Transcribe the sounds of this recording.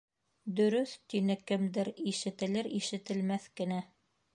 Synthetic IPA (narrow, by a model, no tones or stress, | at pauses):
d̪ɵ̆ɾɵθt̪inɘkɘ̆md̪ɘɾiʃɘ̆t̪ɘ̆lɘɾiʃɘ̆t̪ɘ̆lmæθkɘ̆næ